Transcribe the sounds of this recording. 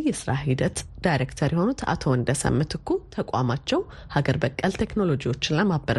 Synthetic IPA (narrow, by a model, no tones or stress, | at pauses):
jɛsɨɾahid̪ət̪d̪̥ajɾekt̪ʰəɾjɛho̞nut̪ʰa̰t̪ʰoɨnd̪əsə̰mːɨt̪ʰɨkʰːut̪ʰəkʷʼa̰mat͡ʃːɛw | haɡəɾbəkʼːəlt̪ʰe̞kno̞lo̞d͡ʒiwo̞t͡ʃːɪnləmabːəɾ